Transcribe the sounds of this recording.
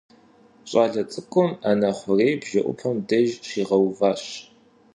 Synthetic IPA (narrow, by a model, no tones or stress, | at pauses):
ɕʼaːɮɐt͡sʼɨkʷʼʊmaːnaχʷʊreːjbʒɐʔʷʊ̰pʰɐmdɐʒɕiːʁɐwvaːɕ